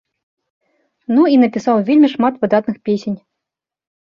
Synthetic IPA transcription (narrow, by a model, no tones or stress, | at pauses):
nuinɐpʲisɑwvʲelʲmʲiʂmat̪vɨd̪at̪nɨxpʲesʲenʲ